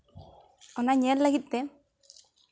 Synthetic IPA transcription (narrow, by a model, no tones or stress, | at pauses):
ɔnaɲɛlːakit̪ːɛ